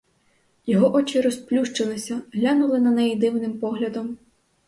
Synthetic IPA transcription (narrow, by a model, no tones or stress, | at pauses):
jɔɦɔʔɔt͡ʃiɾɔsplʲuʃt͡ʃelˠɪsʲɐɦlʲanulˠɪnɐnɛjid̪ɪwnɪmpɔɦlʲɐd̪ɔm